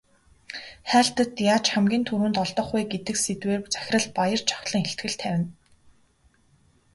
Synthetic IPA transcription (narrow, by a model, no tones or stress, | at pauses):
χæːɬt̪ə̆t̪jaːt͡ɕχæmɡʲiːnt̪ʰuɾwuːnt̪ɔɮt̪ɞ̆χʊːɡet̪ɘ̆kset̪weːrt͡sæ̥xʲɪ̆rə̆ɮpajə̆r̥t͡ɕʰɔ̥χɮə̆ŋxeɬt̪ɡɘ̆ɬt̪ʰæwʲɪ̆n